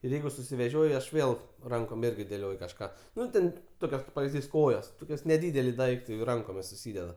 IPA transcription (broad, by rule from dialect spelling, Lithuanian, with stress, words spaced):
ɪr ˈjɛɪɡʊ sʊsʲɪʋʲɛˈʒʲoːj ɐʃ ˈʋʲeːlˠ ˈrɐŋkoːm ˈɪrʲɡʲɪ dʲeːˈlʲoːj kɐʃˈkɑː ˈnʊ tʲɛn ˈtoːkʲoːs kɐɪp pɐʋʲɪzʲˈdʲiːs ˈkoːjoːs ˈtoːkʲoːs nʲɛˈdʲiːdʲɛlʲɪ ˈdɐɪktɐɪ jɛʊ ˈrɐŋkoːmʲɪs sʊˈsʲiːdʲɛdɐ